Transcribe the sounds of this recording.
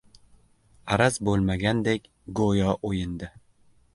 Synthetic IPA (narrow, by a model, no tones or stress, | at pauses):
aɾazbolˠmaɡʲand̪ekʲ | ɡojɒʔojɪnd̪ɪ